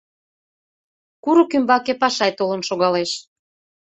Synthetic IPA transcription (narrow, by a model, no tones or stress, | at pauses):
kuɾokymbɑkepɑʃɑjt̪olə̆nʃoɣɑleʃ